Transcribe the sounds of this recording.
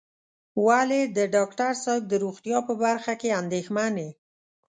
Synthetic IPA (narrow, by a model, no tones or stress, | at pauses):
waled̪əɖɑkʈaɾsak̚d̪əɾoɣt̪jɑpəbaɾxakeand̪exmane